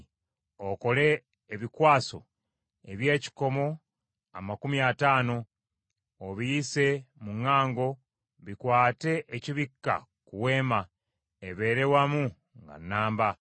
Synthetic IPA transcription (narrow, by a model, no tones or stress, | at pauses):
oko̞le̞ː | βikwaːso̞̰ | eβje̞ːci̥ko̞mo̞ | a̰makumiataːno̞ː | βijise̞muŋːaːŋɡo̞ | βikwaːte̞ʔeciβikːa̰ | kuwe̞ːma | eβe̞ɾe̞wamu | ŋɡa̰nːaːmba